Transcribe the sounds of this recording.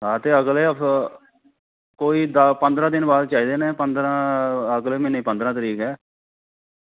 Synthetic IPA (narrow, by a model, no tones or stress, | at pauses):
ɦãːt̪eːəɡleː | koːiːd̪pənd̪ɾãːd̪ɪnbaːd̪̚t͡ʃaːiːd̪eːnẽːpənd̪ɾãːəɡleːmeːniːpənd̪ɾãːt̪əɾiːkɛː